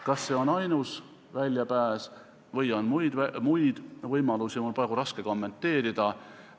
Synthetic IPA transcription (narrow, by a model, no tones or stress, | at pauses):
kɑsːe̞ːo̞nɑjnus | vælʲjɑpæːs | vɤjonmujd̪̥æmujd̪̥vɤjmɑlusimonprɑːɡ̥uɾɑske̞ko̞mːe̞nt̪ːe̞ːɾid̪̥ɑ